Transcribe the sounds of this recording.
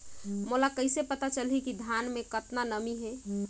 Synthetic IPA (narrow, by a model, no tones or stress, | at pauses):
molakəɪsepət̪at͡ʃəlɦikid̪ʱjanmẽkət̪nanəmiɦɛ